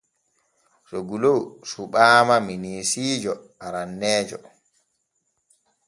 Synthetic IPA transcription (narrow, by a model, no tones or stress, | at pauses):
soɡulowsuɓaːmaminiːsiːd͡ʒɔ | aɾanːɛːd͡ʒɔ̰